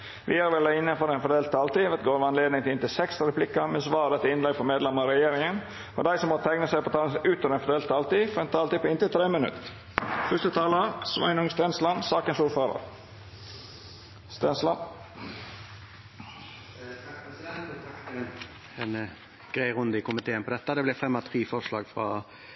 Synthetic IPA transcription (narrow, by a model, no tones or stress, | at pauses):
ʋɪæɾʋɛlːəɪnːənfɔɾɛɪnfɔd̪eːlt̪̚t̪ʰːɑːlt̪iːʋɛt̪̚ɡoːɾʋɑnleːd̪ɪŋt̪ʰɪɪnt̪ɪsɛksɾɛpʰlɪkːəmɛnsʋɑːd̪ɛt̪əɪnlɛɡpʰɔmeːd̪lɛməɾɛjeːɾɪŋən | ɔ̰d̪æɪsɔmɔt̪ʰæŋnəsæɪpʰɔt̪ʰɑʉːt̪ɔɾɛnfɔd̪eːlt̪̚ːʰɑːlt̪iːfɾɛnt̪ʰɑːlt̪iːpʰɔɪnt̪ət̪ʰɾeːmənʉ̰t̪ | fœst̪ət̪ʰɑːlɑsʋɑ̰ɪnʊŋst̪ɛnslɑnsɑːkənsuːɾføːɾə̰ɾ | st̪ɛnslɑn | psd̪ɛnt̪t̪ʰɑkt̪ | ɛn | ɡ̥ɾæɪʁʊnd̪əɪkʊmɪt̪ʰeːənpɔd̪ɛt̪ːəd̪ɛblɛfɛmːɑt̪ʰɾiːfɔʂlɑːɡfʁɑ̰